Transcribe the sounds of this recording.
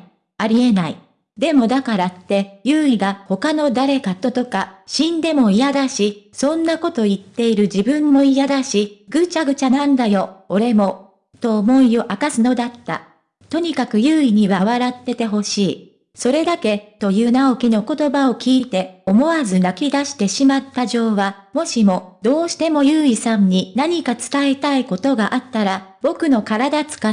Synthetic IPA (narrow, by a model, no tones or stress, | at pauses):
aɾʲie̞nai | d̪e̞mo̞d̪akaɾat̪ːe̞jɯːiɡaho̞kano̞d̪aɾe̞kat̪o̞t̪o̞kaɕĩnd̪e̞mo̞ijad̪aɕisõ̞nːako̞t̪o̞it̪ːe̞iɾɯ̟d͡ʑibɯ̃mːo̞ijad̪aɕiɡɯ̟t͡ɕaɡɯ̟t͡ɕanãnd̪ajo̞oɾe̞mo̞ | t̪o̞ːmo̞io̞ʔakasɨno̞d̪at̪ːa̰ | t̪o̞ɲ̟ikakɯ̟jɯ̟ːiɲ̟iβaβ̞aɾat̪ːe̞t̪e̞ɦo̞ɕiː | so̞ɾe̞d̪ake̞t̪o̞jɯ̟ːnao̞kʲino̞ko̞t̪o̞baokʲiːt̪e̞o̞mo̞azɨnakʲid̪aɕi̥t̪e̞ɕimat̪ːaʑo̞ːβa | mo̞ɕimo̞d̪o̞ːɕi̥t̪e̞mo̞jɯːisãɲ̟ɲːinaɲ̟ikat͡sɨ̥t̪ae̞t̪aiko̞t̪o̞ɡaʔat̪ːaɾab̥o̞kɯ̟no̞kaɾad̪at͡sɨ̥ka